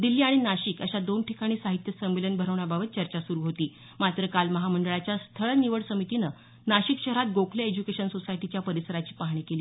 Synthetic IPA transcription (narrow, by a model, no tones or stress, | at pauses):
d̪ilːiːaɽ̃inaɕiːkəɕad̪onʈikaɽ̃iːsaɦit̪jəsəmːelənbʱəɾəʋɳjababət̪̚t͡ɕəɾt͡ɕasuɾuːɦot̪iː | mat̪ɾəkalməɦaməɳɖəɭat͡ɕjast̪ʰəɭəniʋəɽsəmit̪inə | naɕikɕəɦəɾat̪̚ɡokʰlaed͡ʑukeɕənsosaiʈit͡ɕjapəɾisəɾat͡ɕiːpaɦɳ̃ikeliː